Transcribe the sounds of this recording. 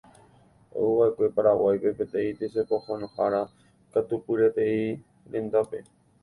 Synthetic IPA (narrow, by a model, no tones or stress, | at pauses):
o̰uʋaekʷe̞paɾawajpepet̪ẽit̪esepohonõhaɾa | kat̪upɨɾet̪ei | ɾẽnd̪ape̞